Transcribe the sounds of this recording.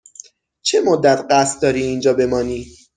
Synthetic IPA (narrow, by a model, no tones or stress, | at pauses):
t͡ʃʰemod̪ːæt̪ʰɢæst̪̚d̪ɒːɾiːnd͡ʒɒːbe̞mɒːniː